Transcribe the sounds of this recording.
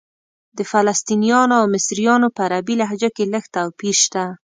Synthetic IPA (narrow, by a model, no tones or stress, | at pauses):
d̪əfalast̪inijɑnoawmɪsɾijɑnopəaɾabilaɦd͡ʒakeləxt̪awpiʃt̪a